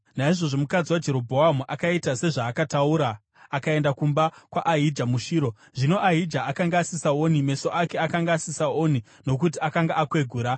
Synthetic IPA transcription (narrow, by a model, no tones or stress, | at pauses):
naiʐo̞ʐo̞mukad͡ziwad͡ʒe̞ɾo̞bʱo̞amuʔakaitase̞ʐaːkatauːɾaː | kae̞ndakumbakwaʔaɦid͡ʒamuʃiːɾo̞ | ʐino̞ʔaɦid͡ʒaːkaŋɡaːsisaonime̞so̞ʔake̞akaŋɡaːsisaoni | no̞k̬utiakaŋɡaʔakwe̞ɡʱuːɾa